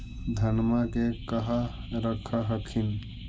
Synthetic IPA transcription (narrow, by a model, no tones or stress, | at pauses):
d̪ʱənmakekəɦa | ɾəkʰaɦəkʰin